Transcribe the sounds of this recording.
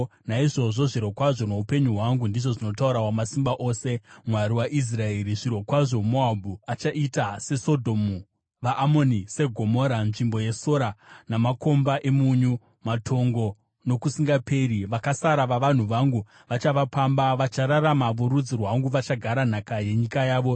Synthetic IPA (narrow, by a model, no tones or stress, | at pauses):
naiʐo̞ʐo̞ʐiɾo̞kwaʐo̞no̞upe̞ɲuɦwaŋɡundiʐo̞ʐino̞tauɾaɦwamasimbaʔo̞ːse̞mwaɾiwaʔis̬rae̞ɾiʐiɾo̞kwaʐo̞moabʱuat͡ʃaʔitase̞so̞dʱo̞mu | ʋaʔːmo̞nise̞ɡʱo̞moːɾanʐimbo̞je̞so̞ɾanamako̞mbaʔe̞muɲu | matʰo̞ŋɡo̞ | no̞kusiŋɡape̞ɾiʋakasaɾaʋaʋan̤uʋaŋɡu | ʋat͡ʃaʋapambaʋat͡ʃaɾaramaʋuɾud͡zirwaŋɡuʋat͡ʃaɡʱaɾan̤akaje̞ɲikajaːʋo̞